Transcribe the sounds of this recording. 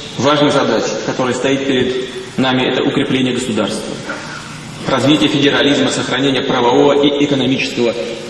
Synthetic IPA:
vaʐnəjəzɐd̪at͡ɕɪ̥kɐt̪o̞ɾəjəst̪ɐit̪̚pʲɪɾʲɪd̪ | namʲɪɛt̪əʔʊkɾʲɪplʲenʲɪjəɡəsʊd̪arst̪və̰ | rʔɐzvʲitʲɪjəfʲɪdʲɪɾɐlʲizməsəxɾɐnʲenʲɪjəpɾəvɐvo̞vəʔiʔɪkənɐmʲit͡ɕɪ̥skəvə

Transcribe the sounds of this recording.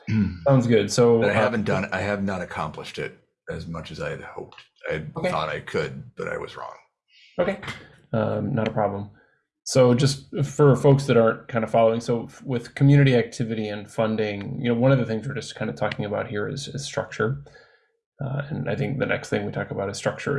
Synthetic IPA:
sãʊ̃ndzɡʊd̥soʊaɪhævɨ̃n̩d̥ʌ̃na̰ɪɨvnəɾɨkʰɑ̰̃mpləʃtɪ̰t̚ | ɨzmʌt͡ʃɨzaɪd̚hoʊp̚t | aɪoʊkeɔ̰ɾaɪkʰɨd̚b̥ʌɾa̰ɪwʌ̰zɹɔ̰̃ŋ | oʊkʰeɪ | ʌnəɾəpʰɹ̥ɑblə̃m | soʊd͡ʒʌst̚fə˞foʊksðɨɾɑɹnkʰãɪ̃ndəfɑlˠoʊɪ̃ŋsoʊwɪð̥kʰm̩jʉñɨɾiæk̚tʰɪvɨɾiɨ̃nfʌ̃ndɪ̃ŋjɨ̰noʊwʌ̃nʌvðɨθɪ̃ŋzwə˞d͡ʒʌskʰãɪ̃ndɨtʰɔkɪ̃ŋɨbaʊt̚hiɹɪ̰z̥ɪ̰z̥stɹ̥ʌ̰k̚t͡ʃə˞ | ɨ̃na̰ɪθɪ̃ŋk̚ðɨnɛ̰ksθɪ̃ŋwitʰɔkəbaʊɾɨz̥stɹ̥ʌk̚t͡ʃə̰˞

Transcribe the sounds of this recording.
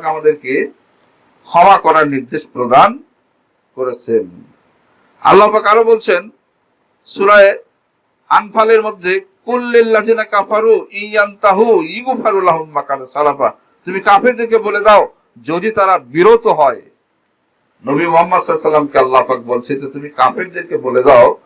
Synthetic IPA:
kamad̪eɾke | kʰɔbakɔɾaɾniɾd̪eʃpɾod̪an | koɾet͡ɕʰen | a̰lːapakaɾobolt͡ɕʰen | ʃuɾaeɾ | anpʰaleɾmod̪ʱːekulːelːadiːnakafaɾuijjant̪aɦujiɡufaɾulaɦulmakːat̪asalafa | t̪umikapʰeɾd̪iɾkeboled̪ao | d͡ʑod̪it̪aɾabiɾot̪oɦɔe | nobimoɦamːad̪sɔlosalːamkealːapak̚bolt͡ɕʰend͡ʑet̪umikapʰeɾd̪iɾkeboled̪ao

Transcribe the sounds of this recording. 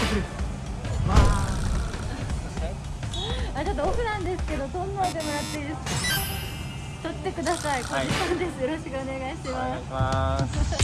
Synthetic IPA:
ekɾ | βa | at͡ɕot̪ːookɯ̟nãnd̪e̞sɨ̥ke̞d̪o̞sõnːaad̪emoɾat̪ːeid̪esɨ̥ka | t̪ot̪ːe̞kɯ̟d̪asaikod͡ʑisãnd̪e̞sɨjo̞ɾo̞ɕi̥kɯo̞ne̞ɡaiɕimas

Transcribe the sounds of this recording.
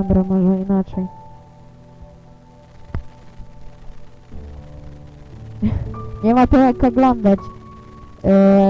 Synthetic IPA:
mbɾamɔʐɛinat͡ʂɛj | ɲɛmat̪ɔjakɔɡlɔnd̪at͡ɕ

